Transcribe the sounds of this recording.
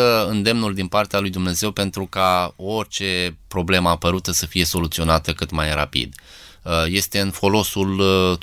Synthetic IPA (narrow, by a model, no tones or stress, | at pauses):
əɨnd̪e̞mnuld̪inpart̪ealujd̪umne̞ze̞wpe̞nt̪ɾukao̞rʲt͡ʃe̞pɾo̞ble̞məapəɾut̪əsəfije̞so̞lut̪sio̞nat̪əkɨt̪majra̰pḭd̪ | je̞st̪e̞ɨnfo̞lo̞sul